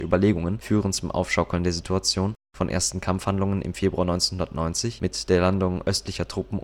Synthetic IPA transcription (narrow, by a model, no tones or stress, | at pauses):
ʔyːbɐleːɡʊŋənfyːʁənt͡sʊmʔa̰ʊfʃɔkl̩ndeːɐzitʰuat͡sjoːn | fɔnʔḛːɐstn̩kʰamfhandlʊŋənʔɪ̰mfeːbʁuaːnɔʏnt͡senhʊndɐtnɔʏnt͡sɪçmɪtd̥eːɐlandʊŋʔʔœstlɪçɐtʁ̥ʊpm̩